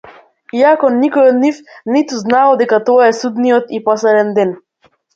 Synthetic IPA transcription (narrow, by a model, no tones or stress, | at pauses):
iakɔnikɔjɔd̪nifnit̪uznalˠɔd̪ɛkat̪ɔaɛsud̪nijɔt̪ipɔslɛd̪ɛnd̪ɛn